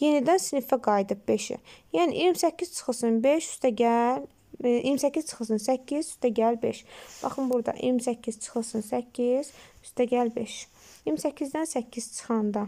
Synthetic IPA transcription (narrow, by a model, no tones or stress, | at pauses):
je̞nid̪ænsinifæɡɑjd̪ɯp̚beʃḭjæːnḭʔiɾmisæcːiz̥t͡ʃʰɯ̥xɯsɯnbeʃy̥st̪ʰæɟæl | ḭːɾmisæcːiz̥t͡ʃʰɯ̥xɯsɯnsæcʰːizyst̪æɟælbeʃb̥ɑ̰χɯmbuɾd̪ɑ̰ʔḭɾmisæcʰːiz̥t͡ʃʰɯ̥xɯsɯnsæcʰːiz̥yst̪ʰæɟælbe̞ʃ | iɾmisæcʰːizd̪ænsæcʰːiz̥t͡ʃʰɯ̥xɑnd̪ɑ